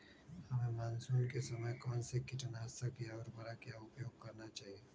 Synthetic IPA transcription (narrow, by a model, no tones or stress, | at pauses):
hɐmẽmaːnsuːnkesɐməjkɔːnsekɪʈənɦɐsakijaɔːɾbɐɾakijaʊpjoːɡ̚kɐɾnat͡ʃaːɦieː